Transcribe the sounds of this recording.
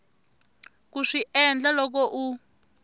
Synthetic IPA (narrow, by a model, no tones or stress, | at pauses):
kuʂiʔɛnd͡ɮalɔk̬ɔʔu